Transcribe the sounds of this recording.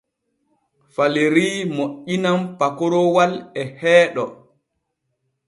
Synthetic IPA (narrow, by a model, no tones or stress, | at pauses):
faleɾiːmoʔːinampakɔɾɔwalɛhɛːɗɔ